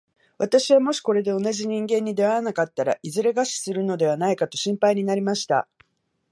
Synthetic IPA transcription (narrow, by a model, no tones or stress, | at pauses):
βat̪aɕiβamo̞ɕi̥ko̞ɾe̞d̪e̞o̞naʑiɲ̟ĩŋɡẽ̞ɲ̟ːid̪e̞βaɾanakat̪ːaɾa̰ʔizɨɾe̞ɡaɕi̥sɨɾɯ̟no̞d̪e̞β̞anaikat̪o̞ɕĩmpaiɲ̟inaɾʲimaɕi̥t̪a̰